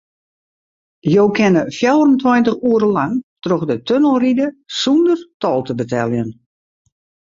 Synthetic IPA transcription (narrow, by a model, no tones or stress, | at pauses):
joːwkʰɛnəfjɛwərəntwɔjntəxuəɾəlaŋtroxdətʰønəlˠridəsundərtɔlˠtəbətʰɛlˠjən